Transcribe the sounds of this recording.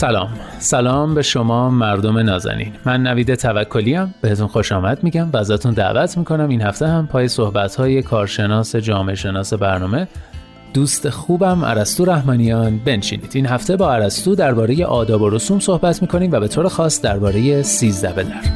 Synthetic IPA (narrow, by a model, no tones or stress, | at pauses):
sælɒ̰ːmsælɒːmbe̞ʃo̞mɒːmæɾd̪o̞me̞nɒːzæ̰nḭːnmænːæviːd̪e̞t̪ʰævækʰːo̞liæmb̥e̞he̞t̪ʰunxo̞ʃɒːmæd̪miːɟæmvæːzɒːt̪ʰund̪æ̰ʔvæt̪ʰmiːkʰo̞næminhæft̪e̞hæmpʰɒːje̞so̞hbæt̪ʰhɒːje̞kʰɒːɾʃe̞nɒːse̞d͡ʒɒːmeeʃe̞nɒːse̞bæɾnɒːme̞ | d̪̥uːst̪ʰe̞xuːbæmʔæ̰ɾæst̪uːɾæhmɒːnijɒːnbe̞nʃḭːniːd̪iːnɦæft̪ʰe̞bɒːæɾæst̪uːd̪æɾbɒːɾe̞je̞ʔɒːd̪ɒːbo̞ɾosuːmso̞hbæt̪ʰmiːkʰo̞niːmvæbe̞t̪ʰoːɾexɒːsd̪æɾbɒːɾe̞je̞siːzd̪æbe̞d̪æɾ